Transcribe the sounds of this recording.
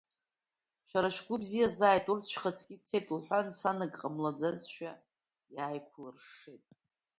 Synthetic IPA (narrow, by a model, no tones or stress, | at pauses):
ʃᶣaɾaʃᶣɡʷʊbzijazaːjtʼurt͡ʃʷʰχət͡sʰʼkʲʼit͡sʰejtʼlħʷansanɨkʼqʼamlad͡zazʃᶣa | jaːjkʷʰlɨrʂetʼ